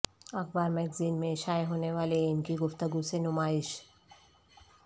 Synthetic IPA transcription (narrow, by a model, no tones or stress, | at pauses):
akʰbaɾmɛkzinmeʃajɦoneʋaleenkiɡoft̪əɡusenumaiʃ